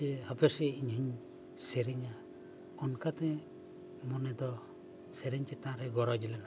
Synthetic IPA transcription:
ɛhapɛsɛiɲhuɲ | sɛɾiɲa | ɔnkat̪ɛ | mɔnɛd̪ɔ | sɛɾɛɲt͡ʃɛt̪aɾɛɡɔɾɔd͡ʒɛlɛna

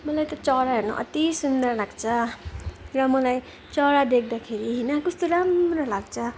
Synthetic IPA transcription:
mʌlajt̪ʌt͡sʌɽaɦernʌ̰ʔʌ̰t̪isund̪ʌrlaɡt͡sʰʌ | rʌmʌlaj | t͡sʌɽad̪ek̚ʰd̪akʰeɾiɦʌjnʌkʌst̪oɾamrʌlaɡt͡sʰʌ

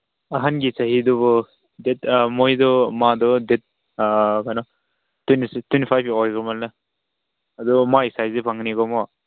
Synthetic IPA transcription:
aɦanɡisaɦidɔβɔ | detmɔjdɔmadɔdet̚ | kanɔ | twenistwenipʰajbɔjɡɔmalna | adɔmaisajzepʰaŋniɡɔmɔ

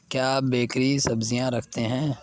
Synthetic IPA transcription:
kjabeːkɾisɐbzijãɾɐkʰt̪eɦɛ̃ː

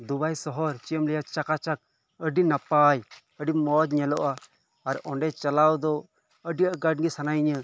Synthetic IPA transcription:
d̪ubajsɔɦɔɾt͡ʃiəmlɛjat͡ʃakat͡ʃak̚ | əɖinapaj | əɖimɔd͡ʒɲɛlɔʔaː | ɾɔɳɖɛt͡ʃalawd̪ɔ | əɖijaʔɡaɖ̚ɡisanajɲə

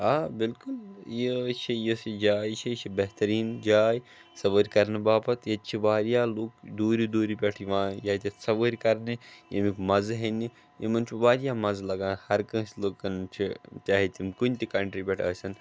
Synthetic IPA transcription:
ɦaːbɪlkʊljit͡ʃʰijisid͡ʒaːjt͡ʃʰit͡ʃʰibɐɦt̪ɐɾiːnd͡ʒaːj | sɐbəːɾʲkɐɾnɨbaːpɐt̪jet͡ʃʰibaːɾijaːloːk̚d̪uːɾid̪uːɾipʲeʈʰʋãːjaːt̪ʲisɐbəːɾʲkɐɾnejimikmɐzɦeni | jemɐnt͡ʃʰubaːɾjaːmɐzlɐɡãːnhɐɾkɐ̃ːsloɡkɐnt͡ʃʰit͡ʃaːɦit̪ʲimkunʲt̪ikɐɳʈɾibʲɛʈʰəːsʲɐn

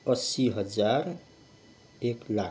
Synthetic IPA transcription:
ʌsiɦʌd͡ʒaɾ | ekla

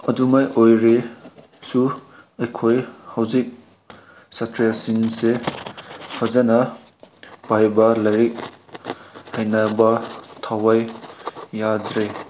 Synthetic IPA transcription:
ɐdumajʔojɾe | su | ɐjkʰojhawzik̚ | satɾijasinse | pʰɐzanɐ | pajbɐlɐjɾik̚ | hajnabɐtʰawajː | adɾe

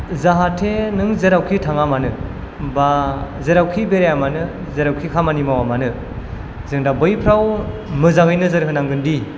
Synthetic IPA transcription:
zaɦatʰenɯŋzeɾawkʰitʰaŋamanɯ | bazeɾawkʰibeɾejamanɯ | zeɾawkʰikʰamanimawamanɯ | zɯŋdabɯjpʰɾaw | mɯzaɡɯjnɯzɯɾɯɦɯnaŋɡɯndi

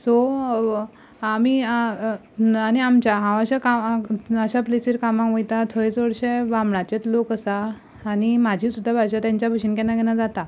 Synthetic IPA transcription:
sɔ | ami | aniamt͡ɕaɦãəɕakaəɕaplisiɾkamãkʋəjt̪at̪ʰoit͡sʋəɽɕeʋãmɳat͡ɕet̪lokəsaː | nimad͡ʑʱiːsud̪ʱːabʱaɕat̪jãɲt͡ɕjabʱəɕinkɛnãɡɛnad͡zat̪a

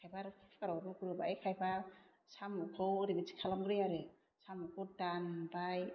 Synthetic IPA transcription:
kʰajbaɾɯkʰpʰkaɾɔɾukuɾɯbajkʰajba | samukʰɯwɾibit͡ʃi̥kʰalamɡɾɯjaɾɯ | samukʰɯwdanbaj

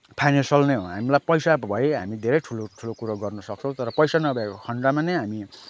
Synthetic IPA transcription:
pʰajnensʌlneɦoɦamilajpʌjsabʱʌiɦa̰mid̪ʱeɾʌjʈʰuloʈʰulokuɾoɡʌrnʌsʌkt͡sʰʌw̃t̪ʌɾʌpʌjsanʌbʱekokʰʌɳɽamanʌjɦami

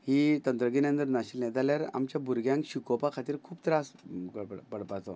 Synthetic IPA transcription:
hit̪ənt̪ɾəɡinə̃nt̪əɾnaɕilnɛt̪aljaɾa̰mt͡ɕjabʱuɾɡʱjãŋkɕikopakʰat̪iːɾkʰuːpt̪ɾaskəpəɽpəɽpat̪ɔ

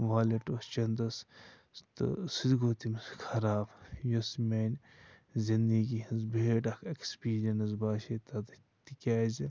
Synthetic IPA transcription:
ʋaːlɐʈost͡ʃɐnd̪ɐs | t̪ɨ̰sid̪ɡoːt̪imskʰɐɾaːbjosmenʲ | zind̪iɡiɐzbʱeːʈɐkʰekspiːɾʲɐnɐzbaːʃet̪ɐt̪ɐ | t̪ikʲaːzi

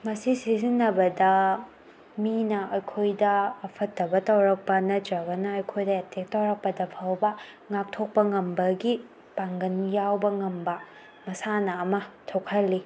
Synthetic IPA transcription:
mɐsisizinːɐbɐdɐ | minɐʔɐjkʰojdɐːpʰɐtːɐbɐtɐwɾɐk̚pɐnɐd͡ʒɾɐbɐnɐːjkʰojdɐetek̚tɐwɾɐk̚pɐdɐpʰɐwbɐ | ŋap̚tʰok̚pɐŋɐmbɐɡi | paŋɡɐnjawbɐŋɐmbɐ | mɐsanɐːmɐtʰokʰɐlːi

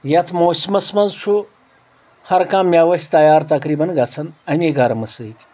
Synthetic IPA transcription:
jɐt̪ʰmoːsʲmɐsmɐnzsʰu | hɐɾkaːmːʲaʋɐsʲt̪ɐjaːɾt̪ɐkɾiːbɐnɡɐt͡sʰɐnɐmʲeɡaɾɐmɐsɨjt̪ʲ

